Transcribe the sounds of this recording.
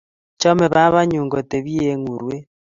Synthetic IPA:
t͡ʃɔ˦mɛ˨βa˦βa˦ɲu˨ŋɡɔ˨te˨βi˦e˨ŋu˨ɾwe˦

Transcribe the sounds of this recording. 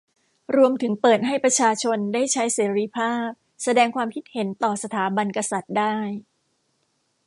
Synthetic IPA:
ɾu˧əmt̪ʰɯ˩˦ŋpɤː˨˩t̪̚ɦa˥˩jpɾa˧t͡ɕʰaː˧t͡ɕʰo˧ndaː˥˩jt͡ɕʰa˦˥jseː˩˦ɾiː˧pʰaː˥˩p̚ | sa˧dɛː˧ŋkʰwaː˧mkʰi˦˥t̪̚he˩˦nt̪ɔː˨˩sa˧t̪ʰaː˩˦ba˧nka˧sa˨˩t̪̚daː˥˩j

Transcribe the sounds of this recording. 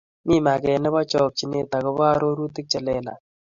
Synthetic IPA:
mi˦ma˨kɛ˨nɛ˦bɔ˦t͡ʃɔ˨k̚t͡ʃi˦ne˦ta˨kɔ˦ba˦ɾo˦ɾu˦tɪ˦k̚t͡ʃɛ˨lɛ˦la̰˨

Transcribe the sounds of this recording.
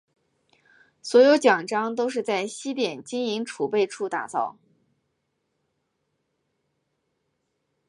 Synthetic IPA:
swɔ˧˥jo˧˥ʊt͡ɕjɑ˨˩ŋʈ͡ʂɑ˥ŋt̪o˥ʊʂ̬ɻ̩˥˧t͡sa˥˩ɪɕi˥t̪jɛ˨˩nt͡ɕi˥ŋi˧˥ŋʈ͡ʂʰu˨˩pe˥˧ɪʈ͡ʂʰu˥˧t̪a̰˨˩t͡sɑ˥˩ʊ

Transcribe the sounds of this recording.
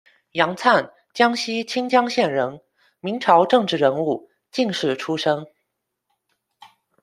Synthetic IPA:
jɑ˧˥ŋt͡sʰa˥˩n | t͡ɕjɑ˥ŋɕi˥t͡ɕʰi˥ŋt͡ɕjɑ˥ŋɕjɛ˥˩nɻə˧˥n | mi˧˥ŋʈ͡ʂʰɑ˧˥ʊʈ͡ʂɤ˥˧ŋʈ͡ʂɻ̩˥˩ɻə˧˥nu˥˩ | t͡ɕi˥˧ŋʂɻ̩˥˩ʈ͡ʂʰu˥ʂɤ˥ŋ

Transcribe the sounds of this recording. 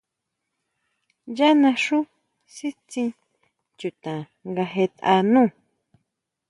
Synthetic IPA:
ja˦nã˧ʂu˦ | si˦t͡sĩ˧ | t͡ʃu˨t̪ã˨ | ŋɡa˧ɦe˧t̪a̰˧nũː˦˨

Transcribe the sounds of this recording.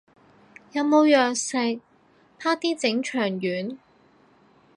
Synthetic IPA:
jɐ˨˧wmo˨˧wjœː˨k̚sɪ˨k̚ | pʰaː˥k̚t̪iː˥t͡sɪ˨˥ŋt͡ʃʰœː˨˩ŋjyː˨˥n

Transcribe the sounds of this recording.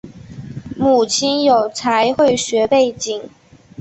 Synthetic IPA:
mu˨˩t͡ɕʰi˥njo˨˩ʊt͡sʰa˧˥ɪxwe˥˩ɪɕɥɛ˧˥pe˥˩ɪt͡ɕi˨˩˦ŋ

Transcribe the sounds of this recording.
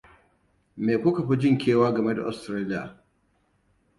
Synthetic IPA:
meː˨kʷʊ˦kɐ˨ɸi˦d͡ʒɪ˦˨ŋkʲeː˦waː˦ɡɐ˨me˦da̰˨ʔa̰˨stɾaː˦lɪ˦ja̰˨

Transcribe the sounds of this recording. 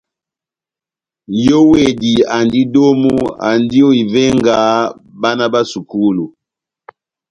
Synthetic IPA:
jɔ˦we˨di˨a˨ndi˦do˦mu˦a̰˨ndi˦ɔ˦i˨vɛ˦ŋɡa˨˦ba˦na˦ba˦su˨ku˦lu˨

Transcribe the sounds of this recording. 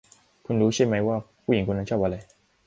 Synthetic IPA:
kʰu˧nɾuː˨˦˥ɕi˥˩ma˧˥jwaː˥˩pʰu˥˩ji˨˩ŋkʰu˧na˧˥t͡ɕʰʔa˧la˧˩

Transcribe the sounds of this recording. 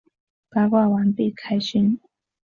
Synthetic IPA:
pa˥˧ʊkwa˥˩wa˧˥npi˥˩kʰa˥ɪɕy˥n

